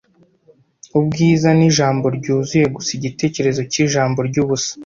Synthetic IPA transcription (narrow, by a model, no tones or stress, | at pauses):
ubɡiːzaniʒaːmbo̞ɾɟuːzuje̞ɡusiɟite̞ːce̞ɾe̞zo̞ciʒaːmbo̞ɾɟuβusḁ